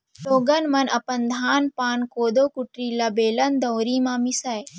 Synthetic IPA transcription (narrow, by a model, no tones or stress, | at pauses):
loːɡɐnmɐnɐpɐnd̪ʱaːnpaːnkoːd̪oːkuʈɾilɐbeːlɐnd̪ɐwɾiːmãːmisɐj